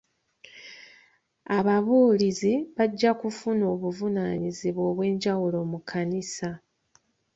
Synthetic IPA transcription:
aβaβuːliziβaɟːakufuno̞ːβuvunaːɲiziβwo̞ːβwe̞ːɲɟawulo̞ːmukʰanisa

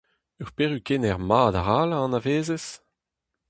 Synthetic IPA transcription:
œʁpeːʁykenɛʁmaːd̪aʁaːlaɑ̃naveːzes

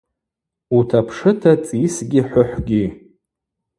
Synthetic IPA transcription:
utʰapʰʂɨtʰat͡sʼisɡʲiħʷʊħʷɡʲi

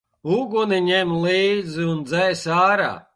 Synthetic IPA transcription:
uɡuniɲɛmliːd̪ziund̪zɛjsaːɾa̰ː

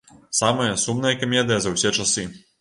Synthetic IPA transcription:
samɐjɐsumnɐjɐkɐmʲɛd̪ɨjɐzɐwsʲɛt͡ʂɐsɨ

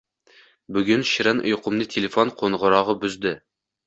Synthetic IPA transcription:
byɡʲynʃiɾɛnʔṵjqʰʊmnɨt̪ʰelefonqʰonʁʊɾɑːʁɑbyzd̪ɪ

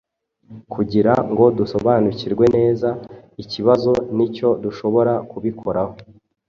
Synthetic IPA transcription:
kʰuɟiɾaŋɡo̞duso̞βaːnuciɾɡwe̞ne̞ːzaiciβazo̞nico̞duʃo̞βo̞ɾakuβikʰo̞ɾaho̞

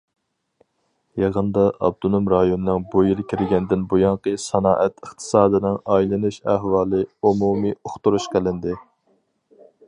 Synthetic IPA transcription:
jɑʁənd̪ɑʔɑ̰b̚d̪unumɾɑjonɨnɨŋbujilkʲʰiɾɪɡʲɛnd̪ɪnbujɑŋqəsɑnɑːʔɛt̪ʰəχt̪ʰɨ̥sɑːd̪ɨnɪŋɑjlˠɨnuʃæhwɑːlˠɨumumioχt̪uɾuʃqʰəlɪnd̪ɪ

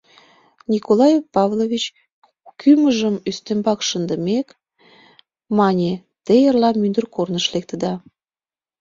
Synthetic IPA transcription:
nʲikolɑjefpɑvlovʲit͡ɕ | kyməʒəmyst̪embɑkʃənd̪əmek | mɑnʲe | t̪ejərlɑmynd̪ərkornəʃlek̚t̪əd̪ɑ

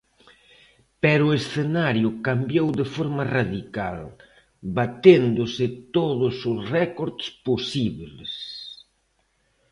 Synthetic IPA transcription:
pɛɾʊesθenaɾjʊkambjowðɪfoɾmɐraðikal | bat̪end̪ʊsɪt̪oðʊsʊsrɛkoɾðsposiβless

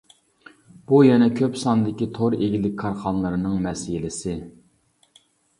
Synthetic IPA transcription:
b̥ujɛnɛkʲʰøpsɑnd̪ɪkʲit̪ʰoɾeɡʲilɪkʲkʰːɑɾχɑnlˠɨɾɨnɨŋmɛsɪlɪsɪ

